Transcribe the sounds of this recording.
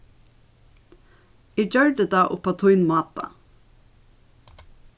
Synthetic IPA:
id͡ʒœɹɖəd̪ɑːʔʊpɑt̪ʰʊɪnmɑːt̪ɑ̰

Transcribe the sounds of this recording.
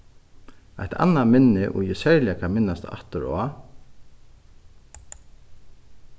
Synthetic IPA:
a̰ht̪ʰa̰nːamɪnːɪʔɔ̰jɪsɛɹlɪakʰamɪnːast̪ːa̰ht̪əɾɔ̰a

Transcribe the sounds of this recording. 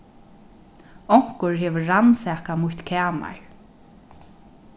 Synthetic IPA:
ɔŋ̥kʊɹɦɛːvəːansɛːhkamʊht̪kʰɛːma̰ɹ

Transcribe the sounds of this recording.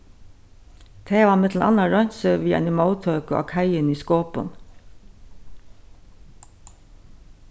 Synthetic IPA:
t̪ʰeːʋɑːmɪt̪ʰl̩ʔɑ̰nɑɹɔɲsəʋiːɑ̰nɪmɑʊt̪ʰœːko̰ʔɑ̰kʰæɪəniːskoːpə̰n

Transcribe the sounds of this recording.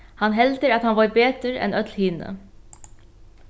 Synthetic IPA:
hanɦɛlt̪əɾat̪hanʋɔjbeːt̪əɾɛ̰nœt̪lhiːnə̰

